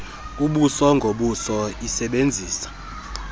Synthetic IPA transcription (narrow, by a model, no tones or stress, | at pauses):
uɓusɔŋɡʱoɓusɔisɛɓend͡zʱiːsḁ